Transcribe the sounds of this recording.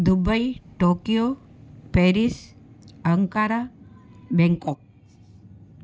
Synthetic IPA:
d̪ubəjʈokijo | pɛɾis | əŋkaɾa | bɛŋkɔk̚

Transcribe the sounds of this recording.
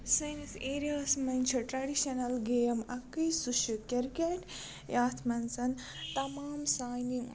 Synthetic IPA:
sɐjniseːɾijaːsmɐnʲt͡ʃʰɐʈɾɐɖiʃɐnɐlɡeːjɐmɐkijsuʃjukʲɐɾkeʈ | jaːt̪ʰmɐnsɐn | t̪ɐmaːmsaːjniŋ

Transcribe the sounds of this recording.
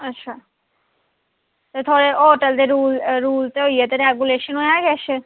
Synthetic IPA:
ɐtːʃʰa | t̪et̪ʰoɾeoʈeld̪eɾulɾuːlt̪eojjat̪eɾɛɡuleʃənojeaɡɛʃe

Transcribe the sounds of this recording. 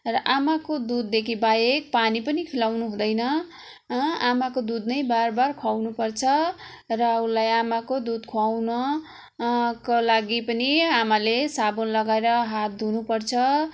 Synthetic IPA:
rʌʔamakod̪ud̪ːekʰibajek̚panipʌnikʰilawnuɦũd̪ʌjnʌ | amakod̪ud̪nʌjbarbarkʰawnupʌrt͡sʰʌ | rʌulajamakod̪ud̪kʰwawnʌ | kolaɡipʌniamalesabonlʌɡaeɾʌɦat̪̚d̪ʱunupʌrt͡sʰʌ

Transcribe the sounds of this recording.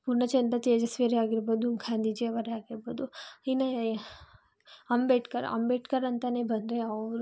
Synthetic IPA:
puɾɳɐt͡ʃɐnd̪ɐt̪eːd͡ʒɐsʋeɾeaːɡiɾbod̪umkʰãnd̪id͡ʒeʋəɾeaːɡiɾbod̪uina | ɐmbeʈkɐɾ̰ɐ̰mbeʈkɐɾɐnt̪anebʱɐnd̪ɾeɐʋɾ

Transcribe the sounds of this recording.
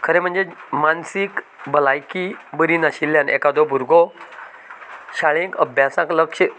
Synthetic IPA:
kʰəɾẽm̤əɳd͡zemansik | bəlajkibəɾinaɕilːjãnɛ̰kad̪ɔbʱuɾɡɔ | ɕaɭẽkəbʱjasãkləkɕə

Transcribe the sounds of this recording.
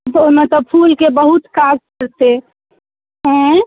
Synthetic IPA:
oimẽt̪ɔpʰulkebəɦut̪kad͡ʒkəɾt̪e | ɦɛ̃

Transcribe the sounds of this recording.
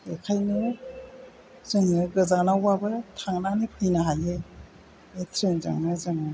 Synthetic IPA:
ekʰajnɯ | zɯŋiɡɯzanawbabɯtʰaŋnanipʰɯjnaɦaje | etʰɾenza̰ŋnɯzɯŋɯ

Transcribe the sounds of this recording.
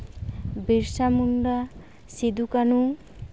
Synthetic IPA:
biɾsamuɳɖa | sid̪ukanu

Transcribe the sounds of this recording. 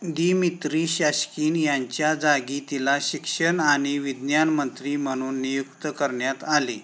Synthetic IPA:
ɡ̪imit̪ɾiːɕaɕkiːnjaɲt͡ɕjad͡zaɡit̪ilaɕikʂəɳaɽ̃iʋid̪njanmənt̪ɾim̤əɽ̃uːnːijukt̪əkəɾɳjat̪ali

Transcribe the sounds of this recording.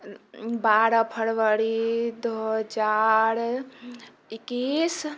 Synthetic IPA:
baɾəpʰəɽʋəɾid̪oɦɦəd͡ʒaɾ | ikːis

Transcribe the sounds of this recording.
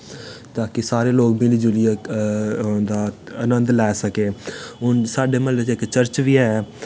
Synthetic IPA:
t̪aːkɪsaːɾeːloːɡmɪliːd͡ʒʊliɛ | d̪aːənə̃nd̪lɛːsəkeːʊnsaːɖeːməlet͡ʃeɪkːt͡ʃəɾt͡ʃʋiːɛː

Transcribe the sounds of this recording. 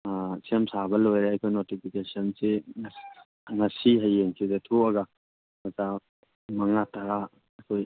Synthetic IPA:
semsaβɐlojɾeɐjkʰojnotipʰikesɐnse | ŋɐsiɦajːeŋkʰizetʰuɐɡa | mɐta | mɐŋatʰaɾa | ɐkʰoj

